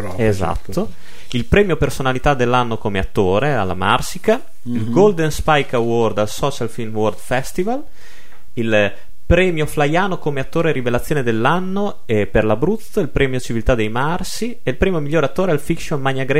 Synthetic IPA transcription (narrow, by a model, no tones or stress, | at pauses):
eza̰t̪ːo | ilpɾɛːmjopersonalit̪ad̪elːanːokomeat̪ːoːɾea̰lːa̰ma̰rsika | ilɡold̪enspajkaword̪alsɔːt͡ʃalfilmword̪fɛst̪ival | il | pɾɛːmjoflajaːnokomeat̪ːoːɾeɾivelat̪sːjoːned̪elːanːo | ɛperlabɾut̪sːoilpɾʔɛːmjot͡ʃivilt̪ad̪ːejmarsi | elpɾɛːmjomiʎːoːɾeat̪ːoːɾealfikʃonmaɲːaɡɾɛ